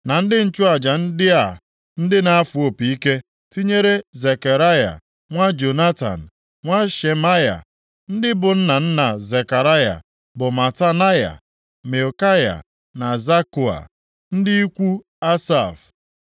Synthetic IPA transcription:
na˨n̩˦dɪ˦n̩˦t͡ʃʊ˦a˨d͡ʒa˨n̩˦dɪ˦a˨ | n̩˦dɪ˦na˨a˦fu˨o˨pi˨i˦ke˦ | ti˦ɲe˦ɾe˦ze˨ka˨ɾa˦ja̰˨ | ŋʷa˦d͡ʒo˨na˦ta̰˨n̩˨ | ŋʷa˦ʃe˨ma˦ja̰˨ | n̩˦dɪ˦bʊ˨n̩˦na˨n̩˦na˨ze˨ka˨ɾa˦ja̰˨ | bʊ˨ma˨ta˦na˦ja̰˨ | me˨o˨ka˦ja̰˨ | na˨za˦ku˨a̰˨ | n̩˦dɪ˦i˦kʷu˦ | a˦sa˦˨f

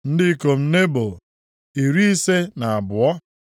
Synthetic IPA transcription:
n̩˦dɪ˦ko˨m̩˦ne˦bo˨ | i˨ɾi˦i˦se˦na˨a˨bʊ˨ɔ˦

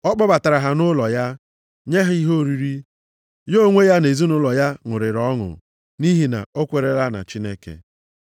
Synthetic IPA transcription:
ɔ˦k͡pɔ˦ba˨ta˨ɾa˨ɦa˨nʊ˦lɔ˨ja˦ | ɲe˦ɦi˦ɦo˦˨ɾi˦ɾi˦ | jo˦ŋʷe˦ja˦ne˨zu˦nʊ˦lɔ˨ja˦ŋʊ˨ɾɪ˨ɾɔ˦ŋʊ̰˨ | ni˦ɦi˨na̰˨o˦kʷe˨ɾe˨ɾa˦na̰˨t͡ʃi˦ne˦kḛ˨

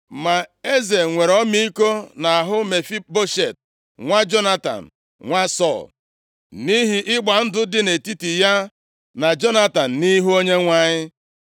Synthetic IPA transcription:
ma˨e˦ze˨ŋʷe˨ɾɔ˦mi˦i˦ko˦na˨a˨ɦʊ˦me˨fi˦bo˦ʃe˨t̚ | ŋʷa˦d͡ʒo˦na˦ta̰˨n̩˨ | ŋʷa˦sɔ̰˦˨l | ni˦ɦi˦ʔɪ˦ɡ͡ba˨n̩˦dʊ˦dɪ˦ne˨ti˦ti˨ja˦ | na˨d͡ʒo˦na˦ta˨n̩˨ni˦ɦu˦o˦ɲe˦ŋʷa˦ɲɪ˦

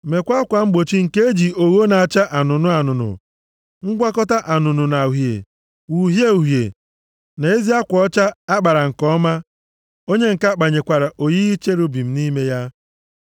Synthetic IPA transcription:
me˨kʷa˦kʷa˨ŋ͡m̩˦ɡ͡bo˨t͡ʃi˦ŋ̩˨ke˦e˦d͡ʒi˨o˨ɣo˦na˨a˨t͡ʃa˦ʔa˨nʊ˨nʊ˦a˨nʊ˨nʊ̰˨ | ŋ̩˦ɡʷa˦kɔ˦ta˦ʔa˨nʊ˨nʊ˨na˨u˨ɦjḛ˨ | wu˨ɦje˦u˨ɦjḛ˨ | na˨e˦zi˦a˦kʷɔ˦t͡ʃa˦a˦ɡ͡ba˨ɾa˨ŋ̩˨kɔ˦ma˦ | o˦ɲe˦ŋ̩˨ka˦k͡pa˨ɲe˨kʷa˨ɾa˨ʔo˨ji˦i˦t͡ʃe˦ɾu˦bi˨m̩˦ni˦me˦ja˦

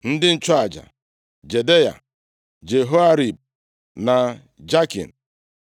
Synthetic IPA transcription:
n̩˦dɪ˦n̩˦t͡ʃɔ˦a˨d͡ʒa̰˨ | d͡ʒe˨de˦ja̰˨ | d͡ʒe˨ɦo˦a˦ɾi˨b̚ | na˨ | d͡ʒa˦kḭ˨n̩˨

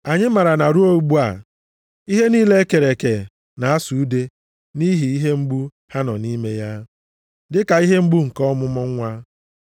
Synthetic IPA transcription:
a˨ɲɪ˦ma˨ɾa˨na˨ɾu˦o˦ɡ͡bu˦a˨ | i˦ɦe˦niː˦le˦e˦ke˨ɾe˨ke˨ | na˨a˦su˨u˦de˦ | ni˦ɦi˨i˦ɦe˦ŋ͡m̩˦ɡ͡bu˦ | ha˦nɔ̰˨ni˦me˦ja˦ | dɪ˦ka˨i˦ɦe˦ŋ͡m̩˦ɡ͡bu˦ŋ̩˨kɔ˦mʊ˦mɔ˦ŋ˦ŋʷa˦

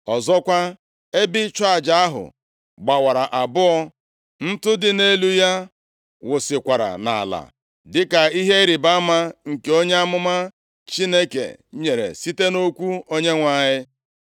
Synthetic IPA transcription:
ɔ˨zɔ˦kʷa˦ | e˦bɪ˦t͡ʃa˦a˨d͡ʒa˦a˦ɦʊ̰˨ | ɡ͡ba˨wa˨ɾa˨ʔa˨bʊ˦ɔ˦ | n̩˦tʊ˦dɪ˨ne˦lu˦ja˦ | wʊ˨sɪ˨kʷa˨ɾa̰˨na̰˨la̰˨ | dɪ˦ka˨i˦ɦe˦ɾi˨ba˦ma˦ŋ̩˨ke˨˦o˦ɲe˦a˦mʊ˦ma˦ | t͡ʃi˦ne˦kḛ˨ɲe˨ɾḛ˨si˦te˦no˦kʷu˦o˦ɲe˦ŋʷa˨ɲɪ˦

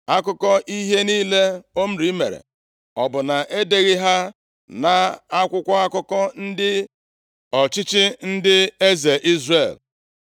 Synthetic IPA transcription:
a˦kʊ˦kɔ˦ʔi˦ɦe˦niː˦le˦o˦m̩˦ɾi˦me˨ɾḛ˨ | ɔ˨bʊ˨na˨ʔe˦de˦ɣɪ˦ɦa˦ | na˨a˦kʷʊ˦kʷa˦a˦kʊ˦kɔ˦n̩˦dɪ˦ | ɔ˨t͡ʃɪ˦t͡ʃɪ˦n̩˦dɪ˦e˦ze˨ʔi˦zre˨l

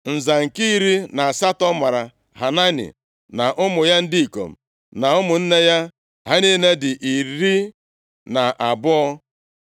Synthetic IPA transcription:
n̩˨za˨ŋ̩˨ki˦i˦ɾi˦na˨a˨sa˦tɔ˦ma˨ɾa˨ | ɦa˨na˦nɪ̰˨ | na˨ʔʊ˦mʊ˨ja˦n̩˦di˦i˨ko̰˨m̩̰˨ | na˨ʊ˦mʊ˨n̩˦ne˦ja˦ | ɦa˦ni˦ne˦dɪ˨ʔi˨ɾɾi˦ | na˨ʔa˨bʊ˦ɔ˦

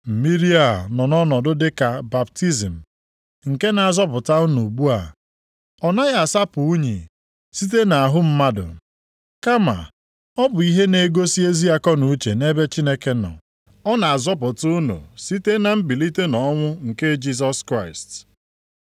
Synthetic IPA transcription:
m̩˨mi˦ɾi˦a˨nɔ˨nɔ˦nɔ˨dʊ˦dɪ˦ka˨ba˨p̚ti˦zi˨m̩˨ | ŋ̩˨ke˦na˨a˨zɔ˦p̬ʊ˨ta˦u˦nu˨ɡ͡bu˦a˨ | ɔ˨na˦ɣa˦˨sa˦pʊ˨u˦ɲi˨ | si˦t̬e˦na˨a˨ɦʊ˦m̩˦ma˦dʊ̰˨ | ka˦ma̰˨ | ɔ˦bʊ˨i˦ɦe˦ne˨ɡo˦si˦e˦zi˦a˦kɔ˦nu˨u˦t͡ʃe˨ne˦be˦t͡ʃi˦ne˦ke˦nɔ̰˨ | ɔ˦na˨a˨zɔ˦p̬ʊ˨tʊ˦no̰˨si˦te˦na˨m̩˦bi˨li˦te˦nɔ˨˦ŋʷʊ˦ŋ̩˨ke˦d͡ʒi˦s̬ɔ˦skɾa˦˨ɪ˨st

